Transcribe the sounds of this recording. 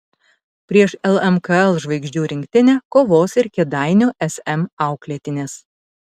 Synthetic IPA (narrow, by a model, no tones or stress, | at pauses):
pʲɾʲiɛʃɛlˠɛmkɐɛlˠʒʋɐɪɡʒʲd͡ʒʲuːɾʲɪŋʲkt̪ʲɪnʲɛːkoːʋoːsɪɾkʲɛd̪ɑˑɪnʲoʔɛsʲɛmɑˑʊklʲɛːt̪ʲɪnʲeːs